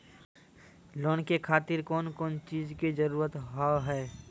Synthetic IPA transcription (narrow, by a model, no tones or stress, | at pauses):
loːnkekʰaːt̪ɪɾkɔːnkɔːnt͡ʃiːzkid͡ʒəɾuːɾət̪ɦɔɦɛː